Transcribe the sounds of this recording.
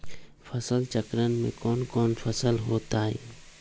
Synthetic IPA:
fʰəsəlt͡ʃəkɾənmḛ̃kɔːnkɔːnfʰəsəlɦoːt̪aːɦɛ̰ː

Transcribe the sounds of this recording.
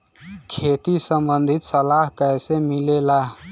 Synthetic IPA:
kʰet̪isəmbənd̪ʱit̪səlaɦkəɦsemilela

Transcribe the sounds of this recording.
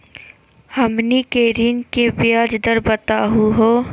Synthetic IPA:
hɐmnikeːɾinkebjaːd͡ʒd̪əɾbət̪aːɦuɦoː

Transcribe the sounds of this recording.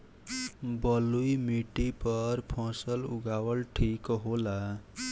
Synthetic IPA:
bəlujmiʈipəɾpʰɔ̃səlṵɡawəlʈʰikɦola

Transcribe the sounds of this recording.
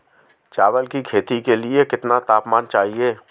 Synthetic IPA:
t͡ʃaːʋəlkikʰeːt̪ikeliekɪt̪nat̪aːpmaːnt͡ʃaːɦieː

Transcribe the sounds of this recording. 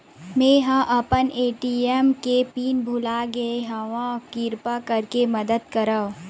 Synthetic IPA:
mẽːɦãʔɐpəneːʈiemkepiːnbʱʊlaɡɐeɦɐʋãkɪɾpakɐɾkemɐd̪əd̪kɐɾa

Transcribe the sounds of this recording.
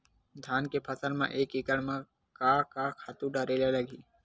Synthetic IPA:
d̪ʱaːnkepʰəsəlmã̰ʔeːkɪkəɽmã | kaːkaːkʰaːt̪ũɖaːɾeːlaləɡiː

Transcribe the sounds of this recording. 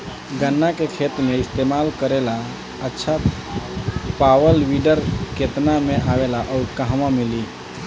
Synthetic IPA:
ɡənːakekʰet̪meist̪emalkəɾela | ətːʃʰa | pawəlʋiɖəɾket̪nameʔaʋelaʔɔʊɾkəɦmamili

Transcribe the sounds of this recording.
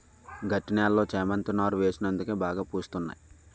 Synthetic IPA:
ɡɐʈːinaːlːo̞ːt͡ʃɛːmɐnt̪unaːɾuʋeːsinɐnd̪ukeːbaːɡaːpuːst̪unːa̰ji

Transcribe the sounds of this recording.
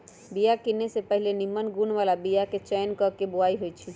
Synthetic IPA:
bijakinːesepəɦilenimːənɡunʋalabijaket͡ʃɛːnkəkeboaiɦojt͡ʃʰi

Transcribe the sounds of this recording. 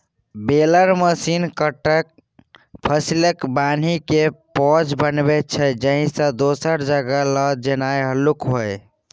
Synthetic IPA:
beləɾməsinkəʈək̚ | pʰəsiləkban̤ikepɔd͡ʒbənbɛt̪̚t͡ʃʰɛd͡ʒəɦĩsə̃d̪osəɾd͡ʒəɡələd͡ʒenajɦəlukɦoj

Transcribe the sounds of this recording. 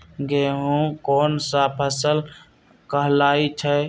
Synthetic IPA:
ɡeɦũkoːnsapʰəsəl | kəɦlaːit͡ʃʰə

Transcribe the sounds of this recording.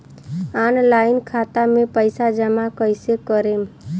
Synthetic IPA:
anlaɪnkʰat̪amepəjsad͡ʒəmakəjsekəɾem

